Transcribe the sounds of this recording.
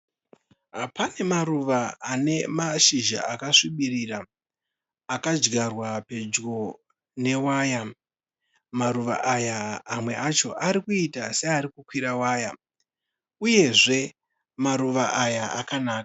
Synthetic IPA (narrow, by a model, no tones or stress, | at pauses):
ɦapane̞maɾuʋaane̞maʃiʒa̰ʔakaʂiɓiriraː | kad͡ʒɡarwape̞d͡ʒɡo̞ | ne̞waːja | maɾuʋa̰ʔajaːmwe̞ʔat͡ʃo̞ʔaɾikuitaseaɾikukwiɾawaːja | uje̞ʐe̞ | maɾuʋaʔajaa̰kanaːkḁ